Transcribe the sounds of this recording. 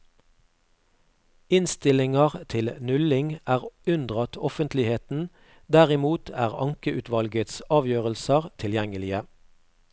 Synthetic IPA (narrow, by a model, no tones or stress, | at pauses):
ɪnst̪ɪlɪŋɑʁt̪ʰɪlnʉlɪŋæːʁʉnd̪ʁɑt̪ʰɔfənt̪ʰlɪheːt̪n̩ | d̪æʁɪmuːt̪ʰæ̰ːʁɑ̰ŋkəʔʉːt̪ʰʋɑlɡət̪sɑːʋjøːʁəlsəʁt̪ʰɪljɛŋəlɪə